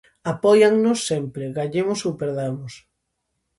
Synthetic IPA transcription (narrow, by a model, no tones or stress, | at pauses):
apɔjaŋnʊsːɛmpɾɪɣaɲemʊsowpeɾðamʊs